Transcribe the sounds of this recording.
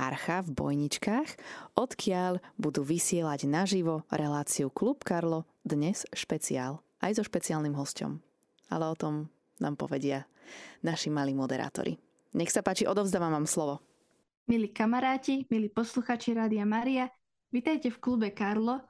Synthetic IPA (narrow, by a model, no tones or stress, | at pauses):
aɾxavbɔ̰jɲit͡ʃkaːxʔɔt̪kʰɪaʎbud̪uːʋisɪɛlaɟnaʒiʋɔɾɛlaːt͡siuklupkaɾlɔ | d̪ɲɛsʃpɛt͡siaːl | ʔajzɔʃpɛt͡siaːlnimɦɔscɔ̰m | a̰lɛɔt̪ɔm | na̰ːmpɔ̰ʋɛɟɪa | naʃimaliːmɔd̪ɛɾa̰ːt̪ɔ̰ɾʔḭ | ɲɛxsapaːt͡ʃiʔɔd̪ɔʊzd̪aːʋamʋaːmslɔʋɔ | miliːkamaɾaːcimiliːpɔsluxaːt͡ʃiɾaːd̪iamaːɾia | ʋit̪ajcɛfklubɛkaɾlɔ